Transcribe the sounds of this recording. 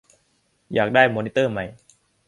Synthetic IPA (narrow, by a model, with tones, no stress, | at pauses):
jaː˨˩k̚daː˥˩jmoː˧ni˦˥t̪ɤː˥˩ma˧˩j